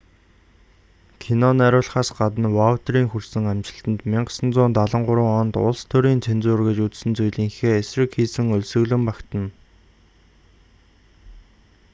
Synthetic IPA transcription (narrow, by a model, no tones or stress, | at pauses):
kʰinɔnæɾʊːɮχaːsɢat̪ə̆nwaut̪riːŋxursɘ̆ŋæmt͡ɕɪ̆ɬt̪ə̆nt̪miɴɢə̥̆sə̆nt͡sʊːnt̪aɮə̆ɴɢʊɾʊːŋɔnt̪ʊ̰ɮst̪ʰɵɾiːnt͡sʰent͡sʊːrɣɘ̆t͡ɕut͡ssɘ̆nt͡sʊjɮiːŋxeːesrɘ̆kxiːsɘ̆ŋʊɮsɵ̆ɣɮɘ̆mpakt̪ə̆n